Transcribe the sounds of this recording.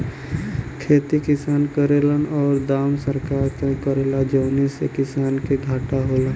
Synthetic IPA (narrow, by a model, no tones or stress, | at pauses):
kʰeːt̪ikɪsaːnkəɾelənɔːɾd̪aːmsəɾkaːɾk̪ẽkəɾeːlad͡ʒəːnisekɪsaːnkeɡʱaːʈaɦoːlən